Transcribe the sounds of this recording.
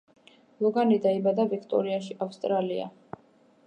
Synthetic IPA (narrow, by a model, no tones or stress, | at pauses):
lˠɔɡanid̪aibad̪avikʰt̪ʼɔ̰ɾiaʃiʔafst̪ʼɾalia̰